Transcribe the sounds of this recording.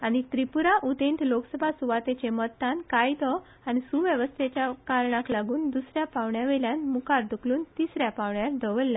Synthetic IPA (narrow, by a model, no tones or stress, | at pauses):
añit̪ɾipuɾaʔud̪ẽnt̪loksəbʱasuʋat̪et͡ɕemət̪ːankajd̪ɔ | anisuʋjəʋəst̪ʰet͡ɕjakaɾɳãklaɡuːnd̪usɾjapaʋɳjaʋeljãnmukaɾd̪ukluːnt̪isɾjapaʋɳjaɾd̪əʋəlːa